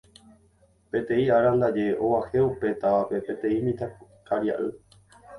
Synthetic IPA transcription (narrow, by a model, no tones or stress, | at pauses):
pe̞t̪ẽ̞ĩaɾãnd̪ad͡ʒe̞ʔoʋahe̞upe̞t̪aape̞pe̞t̪ẽ̞ĩmĩt̪a | kʰaɾja̰ʔɨ